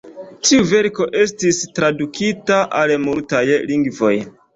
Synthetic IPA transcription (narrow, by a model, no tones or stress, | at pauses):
tiuve̞ɾko̞ʔe̞stistɾadukʰitaʔalmultajliŋɡvo̞̰j